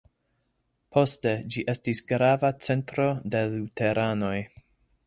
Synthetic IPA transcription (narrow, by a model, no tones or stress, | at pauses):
pʰo̞ste̞d͡ʒiʔe̞stisɡɾavat͡se̞ntɾo̞de̞lute̞ɾʔano̞j